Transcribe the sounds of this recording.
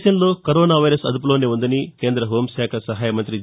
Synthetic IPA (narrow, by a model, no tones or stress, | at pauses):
ʃɐjɐmlo̞ːkɐɾoːnaːʋɐjɾɐsɐd̪up̬uloːneːund̪ɐnikeːnd̪ɾɐɦo̞ːmʃaːkʰɐsɐɦaːjɐmɐnt̪ɾi